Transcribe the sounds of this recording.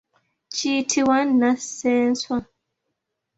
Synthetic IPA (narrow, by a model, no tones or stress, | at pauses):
t͡ʃiːtʰiwanːasɛːn̩swa